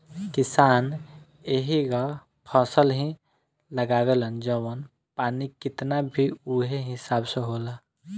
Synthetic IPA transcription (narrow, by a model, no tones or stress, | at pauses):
kɪsaːn | eɦiɡa | pʰəsəlɦĩ | ləɡaːwelənd͡ʒəwən | paːnikɪt̪nabʱiuɦeɦɪsaːbseɦoːla